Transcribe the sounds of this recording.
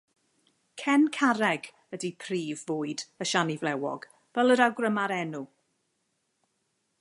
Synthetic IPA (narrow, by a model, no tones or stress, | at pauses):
kʰɛnkʰaɾɛɡ | ədipʰriːvːoːɨdəʃanivlɛwɔ̰ɡ̥ | v̥ɛlˠəɾawɡrəmaɾɛnu